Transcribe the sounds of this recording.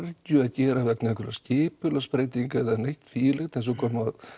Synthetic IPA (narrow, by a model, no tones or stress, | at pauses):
ɾt̪jʏaðcɛːɾavɛknɪɛkʰvɛɾascɪːpʏlaspɾeːjt̪iŋkɛðanejht̪fiːlɛxt̪ɛns̬ɔkʰɔːmað